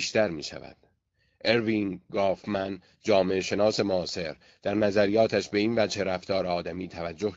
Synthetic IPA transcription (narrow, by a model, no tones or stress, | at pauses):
ʃt̪æɾmḭːʃæ̰væ̰d̪̥ | ʔe̞ɾviŋɡɒːfmæn | d͡ʒɒːme̞eʃe̞nɒːse̞moɒːse̞ɾ | d̪̥æɾnæzæɾijɒːt̪ʰæʃbe̞iːnvæd͡ʒhe̞ɾæft̪ɒːɾeɒːd̪æmiːt̪ʰævæd͡ʒːoh